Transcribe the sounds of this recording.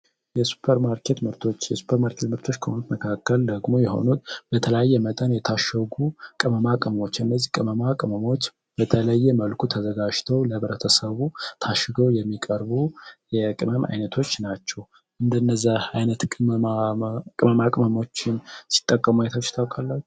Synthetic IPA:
jɛsu̥pʰːəɾmaɾkʰe̞t̪mɨɾt̪ʰo̞t͡ʃːjɛsu̥pʰəɾmaɾkʰet̪mɨɾt̪ʰo̞t͡ʃːkʰəhonut̪məkʰakːəld̪əɡmo̞jɛho̞̰nut̪b̥ət̪ʰələjajːɛmət̪ʼənjɛt̪ʰaʃːəɡukʼɨməmakʼɨməmo̞t͡ʃːɨnːəzːihkʼɨməmakʼɨməmot͡ʃː | b̥ət̪ʰələjːɛməlkʰut̪ʰəzəɡad͡ʒt̪ʰəwləβɾət̪ʰəsəβut̪ʰaʃɨɡəwjɛmːikʼəɾbujɛkʼɨməma̰jnət̪ʰo̞t͡ʃːnat͡ʃːɛw | ʔɨnd̪ənːəzːaajnət̪kʼɨmakʼɨməmakʼɨməmo̞t͡ʃːɪnsi̥t̪ʼːəkʼːəmuajt̪ʰot͡ʃːt̪ʰawkʰʼalːat͡ʃː

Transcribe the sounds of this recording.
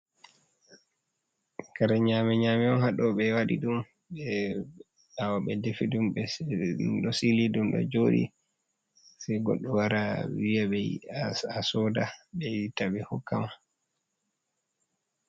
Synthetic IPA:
kaɾaɲamɛɲaːmiɔnhaɗɔɓɛwaɗḭɗum | ɓɛ | awaɓɛdefiɗumɓɛ | ɗɔsilidumɗɔ̰d͡ʒoɗḭ | sɛjɡɔ̰ɗːɔwaɾawijaɓɛ | asɔdaɓɛitaɓɛhɔkːama

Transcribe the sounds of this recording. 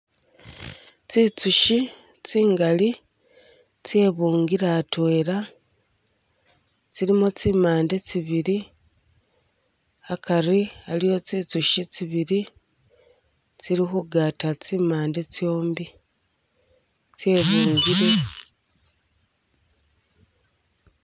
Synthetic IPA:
t͡sit͡suʃi | t͡siːŋɡali | t͡sje̞βuːŋɡiɾatwe̞ɾa | t͡siɾimut͡simaːnde̞t͡siβiɾi | akaɾialijo̞t͡sit͡suʃit͡siβiɾi | t͡siɾixuɡatat͡simaːnde̞t͡sjo̞ːmbi | t͡se̞βuːŋɡiɾe

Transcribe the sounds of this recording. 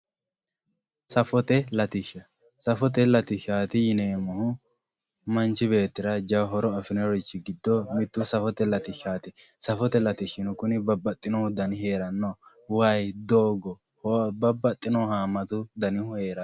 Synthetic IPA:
sɐfɔt̪ɛlɐt̪ɪʃɐ | sɐfɔt̪̬ɛlɐt̪ɪʃaːt̪ɪjɪneːmːɔhʊ | mɐnt͡ʃɪbe̞ːt̪ːɪɾɐd͡ʒɐwɦɔɾɔɐfɪnɛɾɔjt͡ʃːɪɡɪd̪ːɔmɪt̪ːʊsɐfɔt̪ɛlɐt̪ɪʃaːt̪ɪsɐfɔt̪ɛlɐt̪ɪʃːɪnʊkʊnɪbɐbːɐt̪ʼːɪnɔhʊd̪ɐnɪhe̞ːɾɐnːɔ | wajd̪oːɡɔ | hɔbɐbːɐt̪ʼːɪnɔhaːmːɐt̪ʊd̪ɐnɪhʊhe̞ːɾɐ

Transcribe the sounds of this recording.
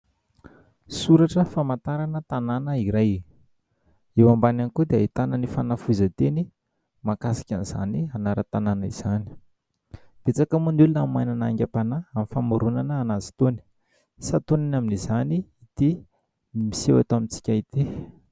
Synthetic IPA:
suɾaʈ͡ʂəfamant̪aɾanət̪ananəiɾaj | ewambananikud̪eait̪anənifanafuzət̪eni | makasi̥kʲaniz̥a̰nianaɾət̪ananəiz̥ani̥ | b̥et͡sakamunulunamajnanaŋɡʲapanaamifamuɾunanəːnazi̥t̪oni̥ | sat̪onanaminizaniit̪i | imisewa̰t̪oamint͡si̥kʲait̪i

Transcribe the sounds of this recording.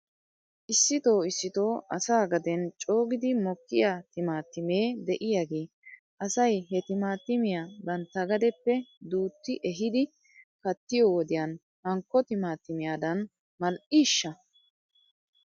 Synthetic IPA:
ʔɪsːɪt̪o̞ːɪsːɪt̪o̞ːɐsaːɡɐd̪ɛnt͡ʃʼo̞ːɡɪd̪ɪmɔkːɪjaːt̪ɪmaːt̪ːɪmeːd̪ɛʔɪjaɡeː | ʔɐsɐjhɛt̪ɪmaːt̪ːɪmɪjaːbɐnt̪ːɐɡɐd̪ɛpːɛd̪uːt̪ːɪʔɛɦɪd̪ɪ | kɐt̪ːɪjɔwɔd̪ɪjɐn | hɐŋkːɔt̪ɪmaːt̪ːɪmɪjaːd̪ɐn | mɐlʔiːʃːɐ

